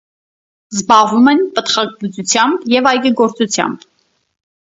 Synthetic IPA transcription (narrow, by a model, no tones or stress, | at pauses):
zbɑʁvumɛnpət̪χɑklut͡sut͡sʰjɑmbjɛvɑjɡəɡɔɾt͡sut͡sʰjɑ̰mb